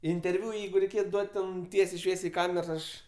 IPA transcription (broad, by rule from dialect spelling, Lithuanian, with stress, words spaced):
ɪnʲtʲɛrʲˈʋʲʊ ˈjɛɪɡʊ rʲɛɪˈkʲeːt ˈduɔtʲ ˈtʲɛn ˈtʲiɛsʲɛɪ ˈʃʲʋʲiɛsʲɛɪ ɪ ˈkɑːmʲɛrs ˈɐʃ